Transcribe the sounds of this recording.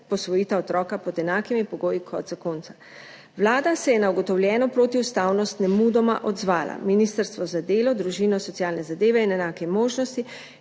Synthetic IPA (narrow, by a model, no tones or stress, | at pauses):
pɔsʋɔjit̪aɔt̪ɾɔːkapɔd̪ɛnaːkimipɔɡoːjikʰɔt̪zakoːnt̪sḁ | ʋlaːd̪asɛjɛnauɡɔt̪ɔwlʲjɛːnɔpɾoːt̪iust̪aːwnɔst̪nɛmuːd̪ɔma̰ʔɔd̪zʋaːla̰miniːst̪əɾst̪ʋɔzad̪eːlɔd̪ɾuʒinɔsɔt̪siaːlnɛzad̪eːʋɛinɛnaːkɛmoːʒnɔst̪i